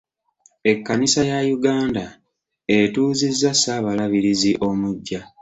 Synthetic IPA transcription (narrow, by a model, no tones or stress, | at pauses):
e̞kːanisajajuɡaːnda | etuːzizːasaːβalaβiɾiziʔo̞muɟːa